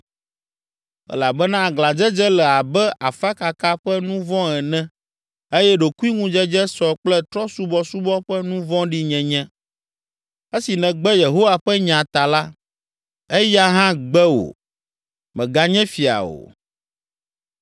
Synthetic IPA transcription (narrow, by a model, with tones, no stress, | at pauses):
ɛ̰˦la˨bɛ˦nã˦˨ɡla˨d͡ʒɛ˦d͡ʒɛ˦lɛ˨a˨bɛ˦ʔa˨fa˦ka˨ka˦ɸɛ˦nũ˦vɔ̃˦ɛ˨nɛ̃˦ | e˦jɛ˦ɖo˨ku˦i˦ŋũ˦d͡ʒɛ˦d͡ʒɛ˦sɔ˨k͡plɛ˦t̪ɾɔ˦su˦bɔ˦su˦bɔ˦ɸɛ˦nũ˦vɔ̃˦ɖi˦ɲɛ̃˨ɲɛ̃˦ | e˦si˨nɛ̃˨ɡ͡bɛ˦je˨ɦo˦wa˨ɸɛ˦ɲã˨t̪a˨la˦ | e˦ja˦ɦã˦ɡ͡bɛ˦wo̰˨ | mɛ̃˨ɡa˨ɲɛ̃˦fi˨a̰˨o̰˨